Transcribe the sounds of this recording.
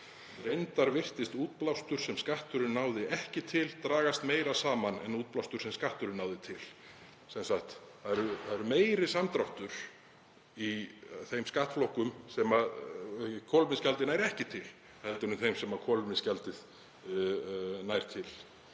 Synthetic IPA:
ɾejnt̪aɾvɪr̥t̪ɪst̪uːt̪̚plawst̪ʏɾ̥sɛmskaht̪ʏɾɪnːaːwðɪʔɛhcɪt̪ʰɪlt̪ɾaːɣast̪meːjɾasaːmanɛ̰nuːt̪̚plawst̪ʏɾ̥sɛmskaht̪ʏɾɪnːaːwðɪt̪ʰɪl | sɛnsaxt̪θaðɛɾʏθaðɛɾʏmeːjɾɪsamt̪ɾawht̪ʏɾ̥ | iθejmskaht̪flɔhkʏmsɛma | kʰɔlmɪnscalt̪ɪnaːjɾɛhcɪt̪ʰɪl | hɛlt̪ʏnʏmθejmsɛmakʰɔlmɪnscalt̪ɪð | najɾ̥t̪ʰɪl

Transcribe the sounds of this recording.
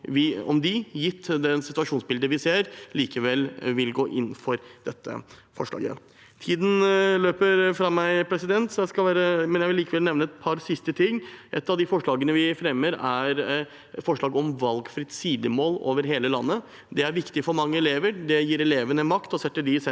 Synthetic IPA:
ʋɪɔ̰md̪ɪjɪt̪ʰːd̪ɛnsɪt̪ʉɑʂuːnsbɪld̪əʋɪseːɾliːkəʋɛlːʋɪlɡoːʔɪnfɔɾd̪̥ɛt̪ʰːə̰ | fɔ̰ʂɭɑ̰ːɡə̰ | t̪ʰiːd̪n̩løːpəɾfɾɑmæɪpʰɾɛsɪd̪ɛnt̪sɔjæɪskɑlʋæːɾəmɛnjæɪʋɪliːkəʋɛlnɛʋnəɛt̪pʰɑɾsɪst̪ət̪ʰɪŋːʔɛt̪ːɑʋd̪ɪfɔʂɭɑːɡənəʋɪfɾɛmːəɾæɾ | fɔʂɭɑːɡɔmʋɑlɡfɾɪt̪siːd̪əmoːlo̰ːʋəɾɦeːləlɑnːə | d̪ɛæɾʋɪkt̪ɪfɔɾmɑŋːəɛleːʋəɾɖɛjiːɾɛleːʋənəmɑkt̪ɔsɛt̪ːəɖɪsɛ

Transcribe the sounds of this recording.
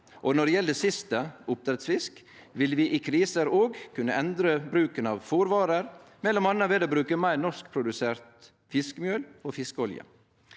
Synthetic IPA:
ʔɔnɔɖɛjɛləd̪ɛsɪst̪əʊp̚t̪ɾɛt̪sfɪsk | ʋɪlʋɪːʔɪkʰɾiːsəɾoːɡkʰʉnːəʔɛnd̪ɾəbɾʉːkənɑʋfuɾʋɑːɾəɾmɛlɔmɑnːəʋeːd̪əbɾʉːkəmæɪɾnɔsk̚pʰɾʊd̪ʉseːɾt̪ | fɪskəmjøːloːfɪskəɔljə̰

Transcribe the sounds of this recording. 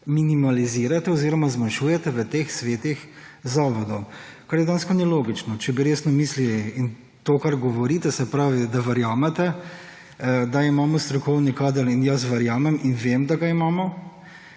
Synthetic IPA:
minimaliziɾat̪ɛɔziɾɔmazmanʃuːjɛt̪ɛʋət̪eːxsʋeːt̪ix | zaːʋɔd̪ɔwkaɾjɛd̪aːnskɔniloːɡit͡ʃnɔt͡ʃɛbiɾeːsnɔmiːsliin | t̪oːkaɾɡɔʋɔɾiːt̪ɛsɛpɾaːʋid̪aʋɐɾjaːmɛt̪ɛ | d̪aimaːmɔst̪ɾɔkɔwnikaːd̪əlinjas̬ʋɐɾjaːmɛminʋemd̪aɡaimaːmɔ

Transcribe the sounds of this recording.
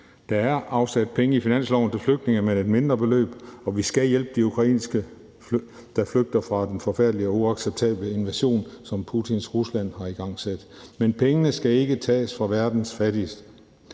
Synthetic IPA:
d̥ɑ̈æɐʔɑ̈ʊsæd̥̚pʰeŋəifinæn̰slɒ̰ʊn̩t͡sʰe̝fløɡ̥d̥ne̝ŋɐmene̝d̥me̝nd̥ʁɐb̥e̝lø̰ːb̥ɒ̽ʋisɡ̥æjel̰b̥əd̥iukʰʁɑ̈ḭːnsɡ̥ə | d̥ɑ̈fløɡ̥̚d̥ɐfʁɑ̈d̥enfɒ̽fæɐd̥liɒ̽uɑ̈ɡ̥seb̥̚t͡sʰɛ̰ːb̥ləe̝nʋæɕo̝̰ːnsɒ̽mpʰut͡sʰinsʁuslæn̰hɑ̈iɡ̥ɑ̈ŋ̰sed̥menpʰeŋənəsɡ̥æe̝ɡ̥ət͡sʰɛ̰ːsfʁɑ̈ʋæɐd̥n̩sfæɾ̥isd̥ə

